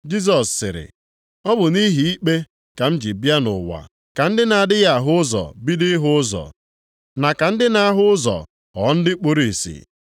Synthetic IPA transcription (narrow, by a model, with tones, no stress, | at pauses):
d͡ʒi˦s̬ɔ˨sːɪ˨ɾɪ̰˨ | ɔ˦bʊ˨ni˦ɦi˨i˦k͡pe˦ | ka˨m̩˦d͡ʒi˨bja˦nʊ̰˨wa̰˨ | ka˨n̩˦dɪ˦na˨a˨dɪ˦ja˨ɦʊ˦ʊ˦zɔ̰˨bi˦dɪ˦ɦʊ˦ʊ˦zɔ̰˨ | na˨ka˨n̩˦dɪ˦na˦a˦ɦʊ˦ʊ˦zɔ̰˨ | ɔ̰˨˦n̩˦dɪ˦k͡pu˦ɾi˦˨sḭ˨